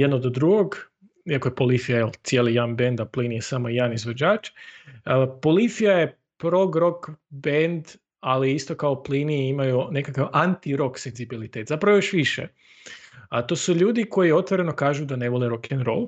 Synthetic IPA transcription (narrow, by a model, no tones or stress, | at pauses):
jed̪nod̪od̪ɾuɡoɡ | iakoje̞polifijajelt̪sjelijanbe̞nd̪apliːnijesamojaːnizʋod͡ʑaːt͡ʃ | po̞lifijaje | pɾo̞ɡɾo̞kbend̪ | aliist̪o̞kaopliːniimajune̞kakaʋʔant̪iɾo̞ksenzibilit̪e̞ːt̪zapɾaʋojoʃʋiʃḛ | at̪o̞ːsuʎuːd̪iko̞jio̞t̪ʋoɾe̞no̞kaːʒud̪aneʋoleɾo̞kʰɛnɾolˠ